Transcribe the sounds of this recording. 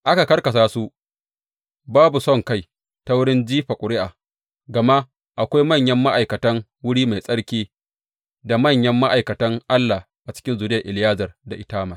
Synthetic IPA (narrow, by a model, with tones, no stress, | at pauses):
ʔa˦ka˨kɐ˦rkɐ˨s̬aː˦su˦ʔ | baː˦bu˨sɔ˦˨ŋka˦˨j | ta˦wʊ˦ɽɪ˦nd͡ʒiː˦ɸa˨kʷʼʊ˨ɽɪ˦ʔaː˨ | ɡɐ˨ma˦ʔ | ʔa˨kʷa˦jmɐ˦˨ɲjɐ˦mːa˦ʔa˨jkɐ˨tɐ˦ŋwʊ˦ɽiː˦ma˨jsʼɐ˦ɽkʲiː˦ | da˨mɐ˦˨ɲjɐ˦mːa˦ʔa˨jkɐ˨tɐ˦ŋʔa˦lːa˨ | ʔa˨t͡ʃɪ̥˦kʲɪ˦nzuː˨dɪ˦jɐ˨ʔɪ˨lɪ˨jaː˦zɐ˨rda˨ʔɪ˦taː˦ma˨